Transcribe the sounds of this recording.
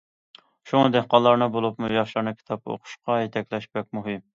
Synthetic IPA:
ʃuŋɨd̪ɪhqɑlːˠɑɾnɨbolˠupmujɑχʃlɑɾnɨkʲʰi̥t̪ʰɑpo̰qʰʊ̥ʃqɑjet̪ʰɛkʲlɛʃbɛk̚ʲmuɦɨm

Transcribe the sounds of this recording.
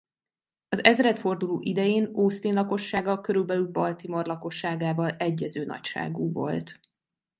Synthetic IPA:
ɒzɛzɾɛt̪fo̞rd̪uloːʔid̪ɛjeːnoːst̪eːnlɒko̞ʃːaːɡɒlkøɾylbɛlylbɒlt̪imorlɒko̞ʃːaːɡaːvɒlɛɟːɛzøːnɒ̰cʃa̰ːɡuːvo̞̰lt̪

